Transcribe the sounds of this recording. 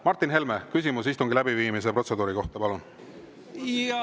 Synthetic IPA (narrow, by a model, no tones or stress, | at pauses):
mɑrt̪ːˑinɦe̞lme̞kysimusist̪uŋɡ̥ilæbiviːmise̞pro̞t̪se̞d̪uːɾiko̞ht̪ɑpɑlun